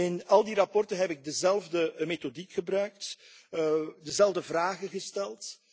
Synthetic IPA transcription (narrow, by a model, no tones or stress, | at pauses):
ɪnɑlˠdirɑpɔrtənɦɛpɪɡ̚dəzɛlˠvdəmetodikxəbrœɥk̚t | dəzɛlˠvdəvraːɣəɣəstɛlˠt